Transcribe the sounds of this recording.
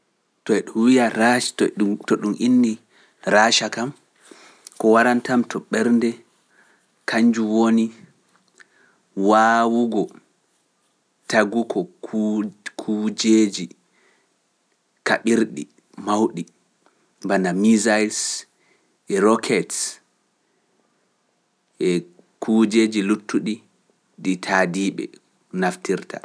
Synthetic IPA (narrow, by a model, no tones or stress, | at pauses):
tɔɛɗumwijaɾattɔɗumʔinːi | ɾaʃakam | kɔwaɾantamtɔɓɛɾndɛ | kʰaɲd͡ʒuwoni | waːwuɡɔ | taɡukʰɔ | kʰud͡ʒeːd͡ʒi | ka̰ɓiɾɗḭ | mawɗi | mbanamizajls | ʔɛɾɔkʰɛts | ʔɛ | kʰud͡ʒeːd͡ʒilutːuɗi | ɗitʰadiɓɛ̰ | naftiɾtʰa̰